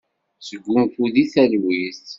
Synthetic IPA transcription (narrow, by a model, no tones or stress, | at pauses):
səɡʷːumfuðiθælwiθ